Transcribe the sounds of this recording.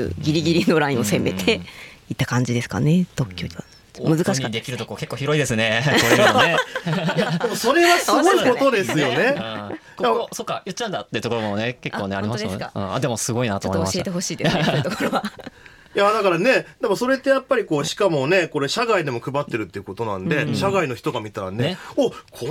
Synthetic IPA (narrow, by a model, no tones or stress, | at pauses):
ɡʲiɾʲiɡʲiɾʲinoɾaĩo̞se̞me̞t̪ʰe̞it̪ːakãɲ̟d͡ʑid̪e̞sɨ̥ka̰ne̞t̪o̞kʲːoːd̪a | mɯ̟zɨkaɕikd̪ekʲiɾɯt̪okoke̞kːoːçiɾoid̪e̞sɨne | jad̪e̞mo̞so̞ɾe̞βasɨɡo̞iko̞t̪o̞d̪e̞sɨjo̞ne̞ | jasokːajɯt͡ɕːiãnd̪at̪ːe̞iɯ̟t̪okoomoneke̞kːo̞ːneaɾimaɯ̰̃a̰d̪emosɨɡo̞inat̪oːmmasiet̪eho̞ɕiːd̪et̪okoɾoβa | jad̪akaɾane̞d̪̥e̞mo̞so̞ɾe̞t̪ːe̞japːaɾʲikoːɕi̥kamo̞ne̞ko̞ɾe̞ɕaɡaid̪e̞mo̞kɯ̟bat̪ːe̞ɾɯ̟t̪ːe̞iɯ̟ko̞t̪o̞nã̰nd̪e̞ɕaɡaino̞çi̥t̪o̞ɡamʲit̪aɾa̰neokʰo